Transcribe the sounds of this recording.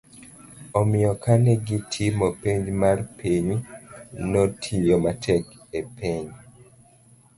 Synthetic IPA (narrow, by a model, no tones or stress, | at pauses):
ɔmɪjɔkʰanɛɡɪtʰimɔpeɲd͡ʒmarpʰiɲ | nɔtʰijɔmatʰɛk | epʰeɲ